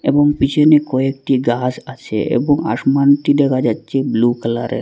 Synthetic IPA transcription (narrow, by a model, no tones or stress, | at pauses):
ḛbɔŋpit͡ʃʰenekɔek̚ʈiɡasat͡ʃʰḛʔḛbɔŋa̰smant̪id̪ɛkad͡ʒatːt͡ʃeblukəla̰ɾḛ